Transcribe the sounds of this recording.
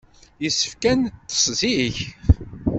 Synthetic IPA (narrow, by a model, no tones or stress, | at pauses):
jəsːə̥fkænt̪ːə̥sˤziç